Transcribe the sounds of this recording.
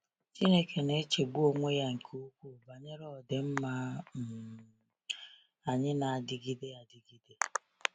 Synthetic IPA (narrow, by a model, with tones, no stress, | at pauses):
t͡ʃi˦ne˦kʰe˨ne˦t͡ʃe˨ɡ͡bu˦o˦ŋʷe˦ja˦ŋ̩˨kʰu˦u˦kʷu˦˨ba˨ɲe˦ɾɔ˦˨dɪ˨m̩˦ma˦˨ | a˨ɲɪ˦na˨a˨dɪ˨ɡi˦de˦a˨dɪ˨ɡi˦de˦